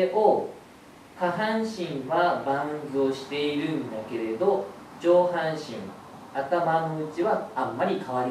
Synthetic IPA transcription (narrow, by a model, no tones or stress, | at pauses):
eʔo | haɦãɰ̃ɕĩɰ̃βabãnzɨoɕi̥t̪e̞iɾɯ̟̃nd̪ake̞ɾe̞d̪o̞ | t͡ɕo̞ːɦãɰ̃ɕḭ̃ŋ | at̪amanoɯt͡ɕiβaamːaɾʲikʰaβaɾʲi